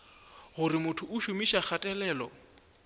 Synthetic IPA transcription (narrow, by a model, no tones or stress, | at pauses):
ɣʊrɪmʊtʰʊʔʊʃʊmiʃak͡xʰatʼɛlɛːlɔ